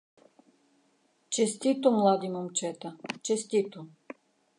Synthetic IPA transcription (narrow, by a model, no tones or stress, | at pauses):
t͡ʃesʲt̪ʲit̪umlˠad̪imomt͡ʃɛt̪at͡ʃesʲt̪ʲit̪u